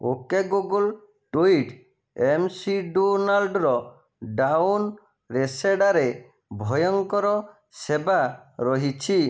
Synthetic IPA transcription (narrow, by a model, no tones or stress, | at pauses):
o̰keɡuɡul | ʈuiʈ | emsiɖonalɖɾɔ | ɖawn | ɾeseɖaɾe | bʱɔjɔŋkɔɾɔ | sebaɾɔɦit͡ʃʰi